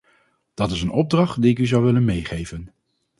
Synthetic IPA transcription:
d̥ɑtɪsənɔb̚drɑχtdiɪkyzɑwʋɪlənmejχejvən

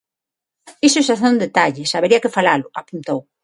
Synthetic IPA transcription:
isʊesaθeund̪et̪aʎɪsaβeɾiɐkɪfalalʊapunt̪ow

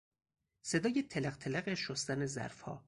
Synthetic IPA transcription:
se̞d̪ɒːjet̪ʰelæɣt̪ʰelæɣeʃost̪ænezæ̰ɾfhɒ̰ː

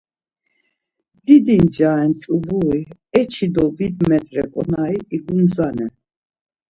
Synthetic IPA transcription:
d̪̥id̪ind͡ʒaɛnt͡ʃʼubuiɛt͡ʃʰid̪ɔbid̪mɛt̪ʼɾɛkʼɔnaiiɡumzanɛ

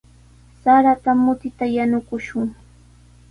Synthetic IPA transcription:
saɾat̪amʊt̪ɪt̪ajanʊkʊʃʊŋ

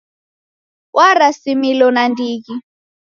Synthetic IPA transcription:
wʔaɾasimilɔnandiːki

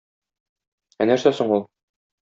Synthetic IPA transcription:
ænæɾsæsoɴulˠ

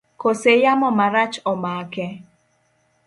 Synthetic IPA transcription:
kosejamɔmaɾat͡ʃɔmaːkɛ

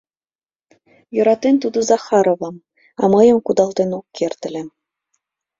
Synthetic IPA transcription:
jɤ̆ɾɑt̪ent̪ud̪ɤ̆zɑxɑɾoβɤm | ɑ̰mɤjə̆mkud̪ɑlt̪enokːert̪ɘ̆lʲĕ

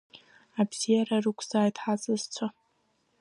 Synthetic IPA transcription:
abz̥ijararɨkʷʰzaːjtʰʼħazʼɨzt͡sʷʰa

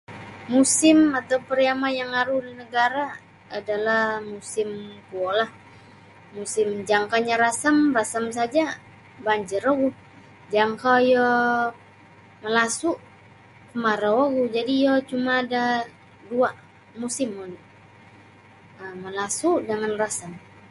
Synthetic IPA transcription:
musɪmat̪awpəɾjamajaŋaɾuhdinəɡaɾaː | dalahmusɪmkuɔlah | musɪmd͡ʒaŋkaɲaɾasamrasamsad͡ʒa | baɲd͡ʒəɾɔɡu | d͡ʒaŋkajɔ | məlasuʔ | kəmaɾawɔɡud͡ʒadijɔt͡ʃumaːda | dua | musɪmɔdi | əməlasuʔdəŋanrasəm

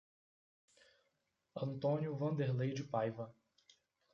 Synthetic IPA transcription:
ɐ̃nt̪õnjʊvɐ̃nd̪eɾlejd͡ʒɪpajvɐ

